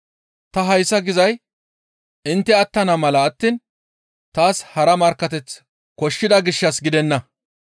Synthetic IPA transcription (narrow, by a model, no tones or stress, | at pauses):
t̪ɐɦɐjsːɐɡɪzɐj | ɪnt̪ːɛɐt̪ːɐnɐmɐlɐːt̪ːiːn | t̪aːshɐɾɐmɐɾkːɐt̪ɛt͡s | kɔʃːɪd̪ɐɡɪʃːɐsɡɪd̪ɛnːɐ